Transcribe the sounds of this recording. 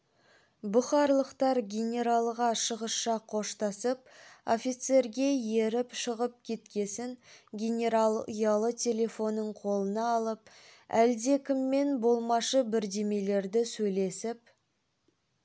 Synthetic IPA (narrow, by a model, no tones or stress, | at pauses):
bʊχɑɾlˠəqt̪ɑɾɡʲenʲe̞ɾalˠʁɑʃəʁəsʃɑqʰo̞ʃt̪ɑsəp̚o̞̰fijt̪se̞ɾɡʲe̞je̞ɾɪpʃəʁəp̚kʲʰe̞t̪kʲe̞sɪnɡʲenʲe̞ɾalˠjɑlˠət̪ʲʰe̞lʲe̞fo̞nːəɴqʰo̞lˠənɑːlˠəp̚æld̪e̞kʲɪmːe̞nbo̞lˠmɑʃəbɪɾd̪e̞me̞le̞ɾd̪ɪsɵjle̞sɪp